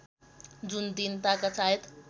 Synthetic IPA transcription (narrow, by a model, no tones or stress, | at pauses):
d͡zund̪int̪akat͡saɦet̪